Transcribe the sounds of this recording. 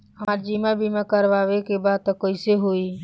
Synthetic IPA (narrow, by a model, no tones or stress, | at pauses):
əaɾd͡ʒimabʱimekəɾʋaʋekebad̪̚t̪ɔkəɪseɦoi